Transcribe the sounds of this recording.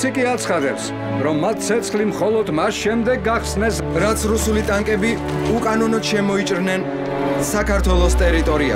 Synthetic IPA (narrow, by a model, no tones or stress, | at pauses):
ikʼiat̪sʰχad̪ɛps | ɾɔmːat̪̚ʰt̪sʰɛt̪sʰχlimχɔlˠɔd̪masʃɛmd̪ɛɡːaχsnɛs | ɾat̪sʰɾusulit̪ʼaŋkʼɛbi | ukʼanɔnɔd̪̥ʃɛmɔit͡ʃʼɾnɛn | sakʰaɾt̪ʰwɛlˠɔst̪ʼɛɾit̪ʼɔɾia̰